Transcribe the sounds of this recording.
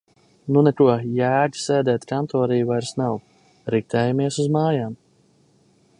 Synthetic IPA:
nunɛkuɔjæːɟʲi̥seːd̪ɛːt̪kant̪ɔːɾijvajɾsnaw | ɾik̚t̪ɛːjamiɛsuzmaːjaːm

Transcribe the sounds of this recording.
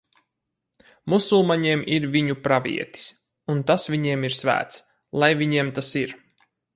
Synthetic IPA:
musulˠmaɲeːmʔiɾviɲupɾavʲḭɛt̪i̥s | unt̪asvʲiɲiɛmiɾsvæ̰ːt̪s | lˠajvʲiɲiɛmt̪asiɾ

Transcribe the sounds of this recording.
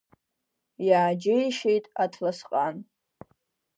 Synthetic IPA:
jaːd͡ʒɪjʃejtʼatʰlasqʼan

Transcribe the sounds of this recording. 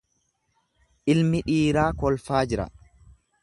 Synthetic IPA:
ʔɪlmɪᶑiːɾaːkɔlfaːd͡ʒɪɾɐ̰

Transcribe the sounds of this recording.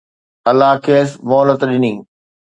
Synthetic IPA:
ɐlːaɦkʰeːsmɔːlət̪ɗɪnĩː

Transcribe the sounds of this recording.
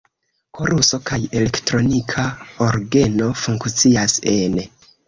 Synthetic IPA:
kʰo̞ɾuso̞kaje̞le̞ktɾo̞nikʰaoɾɡe̞no̞fuŋkt͡siase̞n

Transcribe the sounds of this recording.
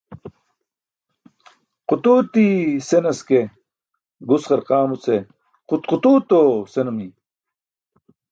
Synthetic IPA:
qut̪uːt̪isenɐske | ɡusχɐɾqaːmut͡se | qut̪qut̪uːt̪osenumi

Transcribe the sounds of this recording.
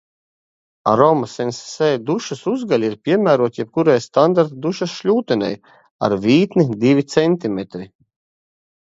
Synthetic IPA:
a̰ɾɔmasɛnssɛːjd̪uʃasuzɡalʲiɾpʲiɛmæːɾuɔt̪jɛp̚kuɾajst̪and̪aɾt̪d̪uʃasʃlʲuːt̪ɛnʲɛ̰j | a̰ɾvʲiːt̪nid̪ivʲit̪sɛnʲt̪imet̪ɾi

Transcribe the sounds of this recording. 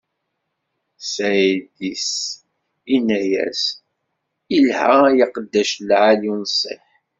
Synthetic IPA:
sæd̪is | inæjæ̰s | ilhæjɑqəd̪ːæʃlʕalinsˤːḛħ

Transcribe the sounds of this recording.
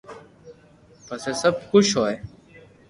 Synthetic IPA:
pəseːsəbxʊʃɦoːe

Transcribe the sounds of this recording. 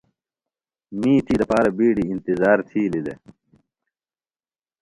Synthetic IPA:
miːt̪ʰiːd̪ɐpaːɾɐbiːɽiːnt̪izaːɾt̪ʰiːlid̪ḛ

